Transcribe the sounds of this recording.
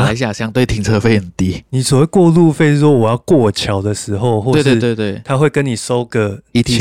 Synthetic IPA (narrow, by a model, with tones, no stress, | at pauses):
a˨˥ɪɕ̬ja˨˩ɕja˥˦ŋt̪we˥˩ɪt̪ʰi˧˥ŋt͡sʰɤ˥˧fe˥˧ɪhə˨˩nt̪i˦ni˨˩swɔ˨˩we˥˩ɪkwɔ˥˧lu˥˧˨fe˥˧ɪʂ̩˥˩wɔ˦˥wɔ˨˩jɑ˥˧ʊkwɔ˥˩t͡ɕʰjɑ˨˦ʊd̪ə˨ʂɻ̩˧˥ɦo˥˨˧ʊxwɔ˥˧e˥˧we˥˧˥t̪we˥˧t̪we˥˩ɪt̪ʰa˦xwe˥˨ɪkə˦ni˨˩so˦ʊɡə˨i˥˧